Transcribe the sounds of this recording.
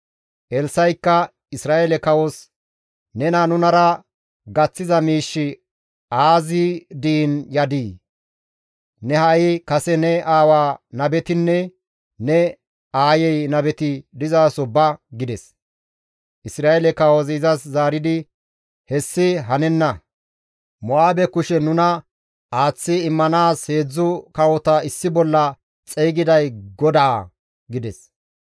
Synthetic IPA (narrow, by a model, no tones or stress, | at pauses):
ʔɛlsɐjkːɐ | ɪsɾaːɛlɛkɐwos | nɛnɐnʊnɐɾɐ | ɡɐt͡sːɪzɐmiːʃːɪ | aːzid̪iːnjɐd̪iː | nɛhɐʔɪkɐsɛnɛʔaːwaːnɐbɛt̪ɪnːɛ | nɛ | aːjɛjnɐbɛt̪ɪd̪ɪzaːsɔbɐɡɪd̪ɛs | ʔɪsɾaːelɛkɐwɔziːzɐszaːɾɪd̪ɪ | hɛsːɪɦɐnɛnːɐ | mɔaːbɛkʊʃɛnʊnɐ | ʔaːt͡sːɪːmːɐnaːshe̞ːd͡zːʊkɐwɔt̪ɐɪsːɪbɔlːɐ | t͡sʼɛjɡɪd̪ɐjɡɔd̪ɐ̰ː | ɡɪd̪ɛs